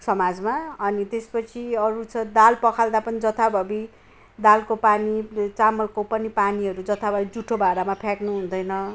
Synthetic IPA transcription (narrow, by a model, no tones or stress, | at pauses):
sʌmad͡zmaʌnit̪espʌt͡sʰiʌɾut͡sʰʌ̃d̪alpʌkʰald̪apʌnid͡zʌt̪ʰabʱʌbi | d̪alkopanit͡samʌlkopʌnipaniɦʌɾud͡zʌt̪ʰabʱʌbid͡zuʈʰːobʱaɾamapʰjaknuɦund̪ʌjnʌ